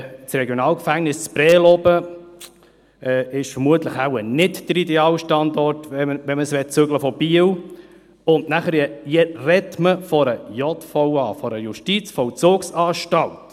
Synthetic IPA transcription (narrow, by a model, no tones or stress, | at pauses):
t͡sɾɛɡjonɑːlkfæŋnɪst͡spɾɛːlɔbə | ɛːɪʃfəɾmuətləχawənɪtd̥əɾidɛɑːwʃtɑnd̪ɔrtʋɛməʋɛməsʋɛt̚t͡søɡləfɔb̥iːəw | ʊndnæχəɾjɛjɛrɛtməfɔɾəjɔtfɔwɑːfɔɾəjuʃtit͡sfɔwt͡sʊksɑːʃtɑlt